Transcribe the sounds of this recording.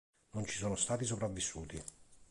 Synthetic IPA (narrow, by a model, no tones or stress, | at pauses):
nont͡ʃi̥soːnost̪aːt̪is̬opɾavːisːuːt̪i